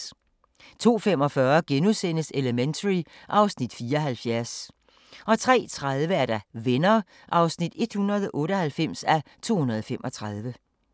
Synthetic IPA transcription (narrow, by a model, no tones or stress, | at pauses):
t͡sʰo̝̰ːfem̰ɒ̽fɶɐɡ̥enuðˠsen̰əseləment͡sʰɐʁi | ʔɑ̈ʊsnid̥fiːɐɒɦælfjæɐs | ʔɒ̽t͡sʰʁɛ̰ːt͡sʰʁað̞ˠʋəæɐd̥æʋenɐː | ʔɑ̈ʊsnid̥e̝d̥hunɐð̞ˠʔɔ̽ːɾ̥əɒhælfem̰sæt͡sʰo̝̰ːhunɐð̞̩ˠfem̰ʔɒ̽t͡sʰʁɑðˠʋə